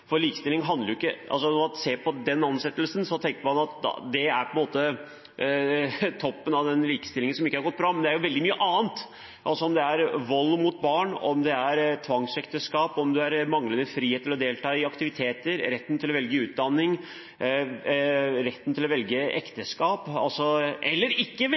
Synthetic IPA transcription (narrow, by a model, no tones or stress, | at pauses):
fɔɾliːkə̥st̪ɪlɪŋɦɑnd̪əɾjʊɪkːəʔɑ̰lsɔnɔmɑnseːpʰɔd̪ɛnːɑnsɛt̪ːəlsənsɔt̪ʰɛŋkəɾmɑnɑt̪d̪ɛæɾpʰɔɛnmoːt̪ə | t̪ʰɔpːənɑʋd̪ɛnliːkə̥st̪ɪlːɪŋənsɔmɪkːəhɑɾɡɔt̪̚ːbɾɑːmɛnd̪ɛæɾjʊʋɛld̪ɪmyːəʔɑːənt̪ | ʔɑ̰lsɔɔmd̪ɛæɾʋɔlːmut̪̚bɑːɳɔmd̪ɛæɾt̪ʰʋɑŋsɛkt̪əskɑːpɔmd̪ʉæɾmɑŋlənəfɾiːheːt̪ːəɾlɔd̪eːlt̪ʰɑːɪɑkt̪ɪʋɪt̪ʰeːt̪əɾɾɛt̪ːn̩t̪ʰɪlɔʋɛlɡəʉːt̪̚d̪ɑnːɪŋ | ɾɛt̪ːən̩t̪ʰɪlɔʋɛlɡəɛkt̪əskɑːpɑ̰lsɔʔɛlːəɾɪkːə